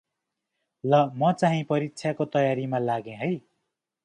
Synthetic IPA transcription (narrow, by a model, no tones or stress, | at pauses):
lʌmʌt͡saɦĩpʌɾiksʰjakot̪ʌjaɾimalaɡẽɦʌj